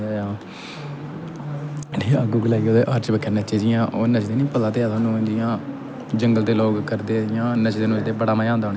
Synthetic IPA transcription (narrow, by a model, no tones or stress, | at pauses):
jaː | ɖiːəɡuːɡlɛːɡeoːd̪eːʔaɾt͡ʃbəkʰːənət͡ʃeːd͡ʒɪjãːʔoːnət͡ʃd̪eːnĩːpət̪aːt̪eːaːt̪ʰoːnũːd͡ʒɪjãː | d͡ʒəŋɡəlt̪eːloːɡkəɾd̪eːd͡ʒɪjãːnət͡ʃd̪eːnũːd͡ʒd̪eːbəɽaːmaːjãːnd̪aːoːn